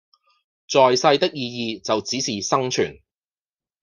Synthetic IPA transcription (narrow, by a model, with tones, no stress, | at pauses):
t͡sɔː˨jsɐ˧jt̪ɪ˥k̚jiː˧jiː˨˧t͡sɐ˨wt͡siː˨˥siː˨sɐ˥ŋt͡ʃʰy̰ː˨˩n